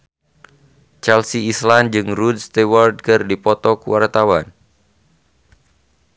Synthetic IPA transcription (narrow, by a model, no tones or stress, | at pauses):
t͡ʃalsiːsland͡ʒɨŋrud̚st̪eward̚kɨrdipɔt̪ɔkuwart̪awan